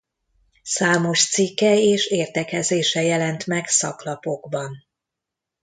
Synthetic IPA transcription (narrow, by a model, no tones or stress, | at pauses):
saːmo̞ʃt̪sikːɛeːʃeːrt̪ɛkɛzeːʃɛjɛlɛnt̪mɛksɒklɒpo̞ɡbɒn